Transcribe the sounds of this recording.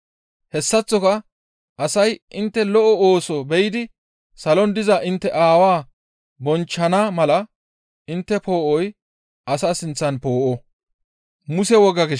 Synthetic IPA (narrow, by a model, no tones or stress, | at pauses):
hɛsːɐt͡sːɔkɐ | ʔɐsɐjʔɪnt̪ːɛlɔʔɔoːsɔbɛjɪd̪ɪ | sɐlɔnd̪ɪzɐʔɪnt̪ːɛʔaːwaː | bɔnt͡ʃːɐnamɐlɐ | ɪnt̪ːɛpo̞ːʔɔj | ʔɐsasɪnt͡sːɐnpo̞ːʔɔ | mʊsɛwɔɡːɐɡɪ